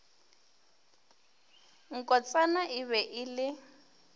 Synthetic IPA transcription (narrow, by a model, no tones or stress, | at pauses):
ŋ̩kʼɔt͡sʼanaʔɪβɛʔɪlɪ